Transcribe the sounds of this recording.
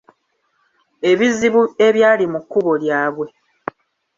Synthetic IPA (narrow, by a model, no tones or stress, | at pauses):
e̞βiziβue̞βjaːlimukːuβo̞ljaːβwe̞